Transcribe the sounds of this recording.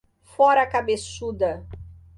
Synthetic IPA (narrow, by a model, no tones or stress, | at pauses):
fɔɾɐakabesud̪ɐ